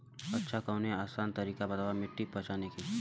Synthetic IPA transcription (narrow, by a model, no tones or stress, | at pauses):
ɐtːʃʰakɐːneaːsaːnt̪ɐɾiːkabɐt̪aːʋamɪʈːipɐt͡ʃaːneki